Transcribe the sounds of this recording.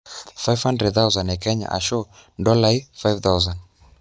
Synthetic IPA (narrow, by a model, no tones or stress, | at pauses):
fajvhandɾɛd̚θawzanɛkɛɲa̰ʔa̰ʃɔndɔlaifajvθawzan